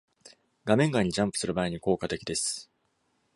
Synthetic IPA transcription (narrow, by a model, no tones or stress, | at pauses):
ɡamẽ̞ŋɡaɲ̟ːiʑãmpɯ̥sɨɾɯ̟baːiɲ̟iko̞ːkat̪e̞kʲid̪e̞sɨ̥